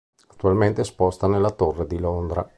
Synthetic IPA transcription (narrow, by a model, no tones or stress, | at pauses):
at̪ːualment̪espɔst̪anelːat̪orːed̪ilond̪ɾa̰